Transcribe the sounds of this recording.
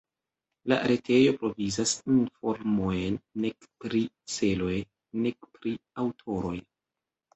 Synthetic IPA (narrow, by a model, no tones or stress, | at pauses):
la̰ɾe̞tʰe̞jo̞pɾo̞vizasinfoɾmojenːekpɾi | se̞lo̞j | nekpɾiawtʰo̞ɾo̞j